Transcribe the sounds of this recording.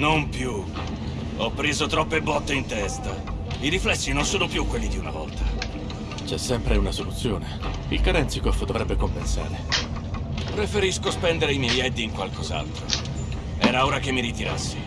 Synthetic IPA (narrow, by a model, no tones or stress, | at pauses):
nompju | ɔpːɾeːzot̪ɾɔpːebɔt̪ːeint̪ɛst̪a | iɾiflɛsːinonsoːnopjukːwelːid̪iuna̰vɔlt̪ʰa | t͡ʃɛsːɛmpɾeunasolut̪sːjoːne | ilkaɾɛnt̪sikɔfd̪ovɾɛbːekompensa̰ːɾe | pɾefeɾiskospɛnd̪eɾeimjɛjɛd̪ːiːŋkwalkoza̰lt̪ɾo̰ | ɛːɾauːɾakemːiɾit̪iɾa̰sːi̥